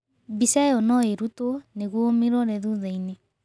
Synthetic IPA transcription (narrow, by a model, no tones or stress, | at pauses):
bisɛɔnɔeɾutoneɣwomiɾɔɾɛðuðaine